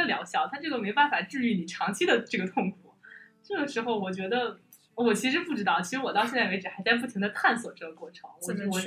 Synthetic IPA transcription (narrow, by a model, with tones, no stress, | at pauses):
ə˧ljɑ˧˥ʊɕjɑ˥˩ʊt̪ʰa˥˧nʈ͡ʂɤ˥˩ə˩me˧˥ʊpa˥˩nfa˨˩ʈ͡ʂɻ̩˥˧y˥˩ni˨˩ʈ͡ʂʰɑ˧˥ŋt͡ɕʰi˥d̪ə˨ʈ͡ʂɤ˥˩ɡə˩t̪ʰʊ˥˧ŋkʰu˨˩ʈ͡ʂɤ˥˩ɡə˩ʂɻ̩˧˥xo˧ʊwɔ˨˩t͡ɕɥɛ˧˥d̪ə˧˩ | wɔ˨˩t͡ɕʰi˧˥ʂɻ̩˧˥pu˥˩ʈ͡ʂɻt̪ɑ˥˩ʊt͡ɕʰi˧˥ʂɻ̩˧˥wɔ˨˩t̪ɑ˥ʊɕjɛ˥˧nt͡sa˥˩ɪe˧˥ɪʈ͡ʂɻ̩˨˩xa˧˥ɪt͡sa˥˧ɪp̬u˥˩t̪ʰi˧˥ŋd̪ə˧kʰa˥˩nswɔ˨˩ʈ͡ʂɤ˥˩ɡə˩kwɔ˥˩ʈ͡ʂʰɤ˧˥ŋɔ˧˥ʂ̩˧˥wɔ˧˥